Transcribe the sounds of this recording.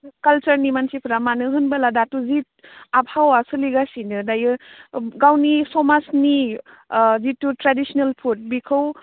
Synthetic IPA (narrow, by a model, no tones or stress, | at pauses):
kalt͡ʃɐɾnimansipʰɯɾamanɯɦɯnbaladatuzit̚apʰawasɯliɡasinɯdajɯɡawnisɔmasni | zitːutɾadisɔnalpʰut̚bikʰɯw